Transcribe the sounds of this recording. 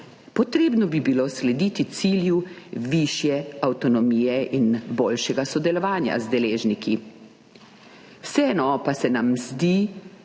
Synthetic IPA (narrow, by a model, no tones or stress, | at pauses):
pɔt̪ɾeːbnɔbibiloːslɛd̪it̪it̪siːljuʋiʃjɛawt̪ɔnɔmiːjɛʔinboːlʃɛɡasɔd̪ɛlɔʋaːnja̰zd̪ɛleːʒniki | wsɛɛnɔpasɛnamzd̪i